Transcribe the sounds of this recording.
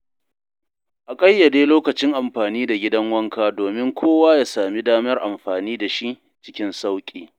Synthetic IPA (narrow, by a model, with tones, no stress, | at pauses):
ʔa˨kʼɐ˦jːɐ˨deː˦loː˦kɐ˨t͡ʃɪ˦ŋʔa˨mɸaː˨niː˦da˨ɡʲɪ˦dɐ˦ŋwɐ˦ŋkaː˦doː˨mɪ˦ŋkʷʰoː˦waː˦jaː˦saː˨mi˦daː˦mɐ˦rʔa˨mɸaː˨niː˦da˨ʃi˦ʔ | t͡ʃɪ̥˦kʲɪ˦nsa˦wkʲʼiː˨